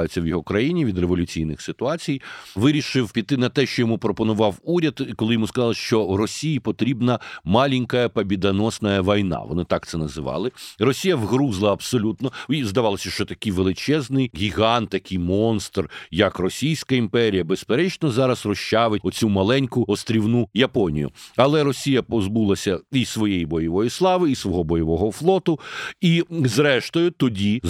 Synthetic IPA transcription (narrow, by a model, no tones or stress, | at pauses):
jʊt͡sʲːɐwjɔɦɔkɾɐjinʲiʋʲid̪reʋɔlʲʊt͡sʲijnɪxsɪt̪ʊɑt͡sʲijʋɪɾʲiʃɪwpʲit̪ɪnɐt̪ɛʃt͡ʃɔjɔmupɾɔpɔnʊʋɑwuɾʲɐd̪kɔlˠɪjɔmuskɐzɑlˠɪʃt͡ʃɔwrɔsʲijipɔt̪ɾʲibnɐmɑlʲinʲkɐjɐpɐbʲid̪ɐnɔsnɐjɐʋɔjnɑ̰ʋɔ̰nɪt̪ɑk̚t̪sɛnɐzɪʋɑ̰lˠɪrɔsʲijɐʋɣɾuzlˠɐɐbsɔlʲut̪nɔizd̪ɐʋɑlˠɔsʲɐʃt͡ʃɔt̪ɐkɪjʋelˠɪt͡ʃɛznɪjɡʲiɣɑnt̪ːɐkʰʲɪjmɔnst̪rjɐkrɔsʲijsʲkɐimpɛɾʲijɐbespeɾɛt͡ʃnɔzɑɾɐsrɔʃt͡ʃɑʋɪt̚ʲɔt͡sʲumɐlˠɛnʲkʊɔst̪ɾʲiwnujɐpɔnʲḭjʊ̰ɐlˠɛɾɔsʲijɐpɔzbulˠɐsʲɐisʋɔjejibɔjɐʋɔjislˠɑʋɪisʋɔɦɔbɔjɐʋɔɦɔflˠɔt̪ʊizɾɛʃt̪ɔjʊt̪ɔdʲi